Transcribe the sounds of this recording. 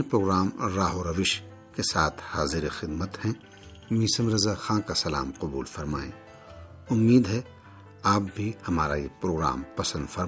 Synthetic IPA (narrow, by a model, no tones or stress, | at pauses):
pɾoːɡɾaːmɾaːɦoɾɐʋɪʃ | kesaːt̪ʰhaːzɪɾexɪd̪mət̪hɛ̃ | miːsəmɾɐzaxãːkasɐla̰ːmqɐbuːlfɐɾmaːẽː | ʊmːiːd̪ɦɛ | aːp̚bʱihɐmaːɾajepɾoːɡɾa̰ːmpɐsə̃nd̪fɐɾ